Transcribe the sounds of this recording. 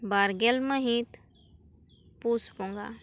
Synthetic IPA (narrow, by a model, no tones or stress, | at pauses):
baːɾɡelməɦĩt̪ | puspõŋɡa̰